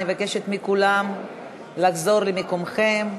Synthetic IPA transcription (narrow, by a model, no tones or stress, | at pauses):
nivakeʃet̪mikulam | laɡzo̞ʁlemikomχem